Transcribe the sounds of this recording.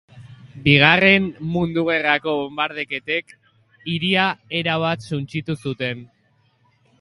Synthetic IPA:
biɣ̞are̞mmund̪uɣe̞rako̞βombaɾð̞e̞ke̞t̪e̞k | iɾiae̞ɾaβat̪sunt͡ʃit̪usut̪e̞n

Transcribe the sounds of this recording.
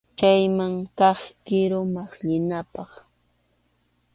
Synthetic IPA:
t͡ʃajmaŋkɑχkɪɾʊmaχʎɪnapɑχ

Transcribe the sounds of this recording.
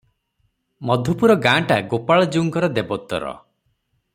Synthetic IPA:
mɔd̪ʱupuɾɔɡãːʈaɡopaɭɔd͡ʒuŋkɔɾɔd̪ebɔt̪ːɔ̰ɾɔ̰

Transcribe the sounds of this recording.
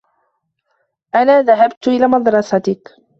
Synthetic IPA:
ʔanaːðaɦabt̪ʔɪlaːmɑd̪ɾˤɑsɑt̪ɪk

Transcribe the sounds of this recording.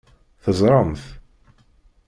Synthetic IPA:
θəzˤɾˤəmθ

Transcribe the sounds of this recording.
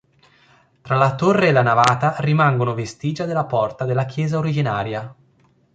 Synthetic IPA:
t̪ɾalat̪orːeːlanavaːt̪arimaŋɡonovest̪iːd͡ʒad̪elːapɔrt̪ad̪elːakjɛːzaoɾid͡ʒinaːɾja

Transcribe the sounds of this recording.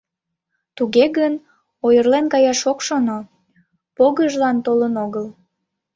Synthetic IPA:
t̪uɣeɣən | ojərlenkɑjɑʃokʃono | poɣəʒlɑnt̪olənoɣəl

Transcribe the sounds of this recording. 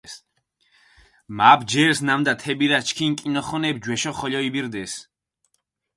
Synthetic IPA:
s | maːbd͡ʒɛɾsnamd̪at̪ʰɛbiɾat͡ʃʰkʰiŋkʼinɔχɔnɛbd͡ʒwɛʃɔχɔʎɔibiɾd̪ɛs

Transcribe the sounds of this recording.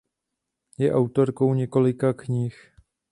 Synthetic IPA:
jɛʔawt̪o̞ɾko̞wɲɛko̞lɪkakɲix

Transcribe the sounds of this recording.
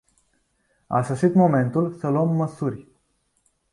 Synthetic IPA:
a̰səʃit̪mo̞me̞nt̪ulsəluəmːəsurʲ

